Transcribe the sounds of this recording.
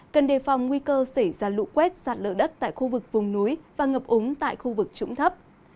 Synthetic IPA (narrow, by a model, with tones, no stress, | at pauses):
kə˨˩nɗe˨˩fa˨˩wŋ͡mŋwi˧kəː˧sə˧˩jzaː˧lṵ˧˥kwɛ˦˥t̚zaː˨˩t̚lə̰ː˧˩ɗə˦˥t̚t̪a̰ː˧˨jxu˧vɨ˨˩k̚vʊ˨˩ŋ͡mnu˨˦jvaː˨˩ŋə˨˩p̚ʔʊ˨˦ŋ͡mt̪a̰ː˧˨jxu˧vɨ˨˩k̚t͡ɕʊ̰˧˥ŋ͡mt̪ʰə˦˥p̚